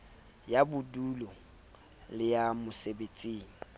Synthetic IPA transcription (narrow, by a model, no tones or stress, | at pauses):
jabʊduːlɔ | lɪjamʊsebet͡sʼiːŋ̩